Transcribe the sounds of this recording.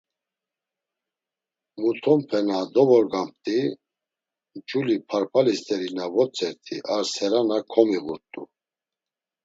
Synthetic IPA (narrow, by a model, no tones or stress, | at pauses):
mut̪ʰɔmpʰɛnad̪ɔvɔɾɡamp̚t̪ʼi | d͡ʒulipʰaɾpʰalist̪ʼɛɾinavɔt͡sʼɛɾt̪ʰiʔaɾsɛɾanakʰɔmiɣuɾt̪ʼṵ